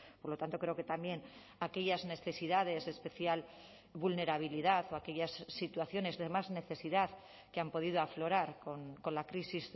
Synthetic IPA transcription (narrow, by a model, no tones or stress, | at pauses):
poɾlo̞t̪ant̪o̞kɾe̞oke̞t̪ambje̞n | ake̞ʎazne̞θe̞siðað̞e̞sespe̞θjal | βulne̞ɾaβ̞iliðaθo̞ake̞ʎasːit̪waθjo̞ne̞zðe̞mazne̞θe̞siðað | keampo̞ð̞ið̞oaflo̞ɾaɾkonko̞nlakɾisiz